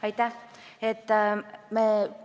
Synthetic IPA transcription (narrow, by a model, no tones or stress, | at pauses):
ajt̪a | et̪ːame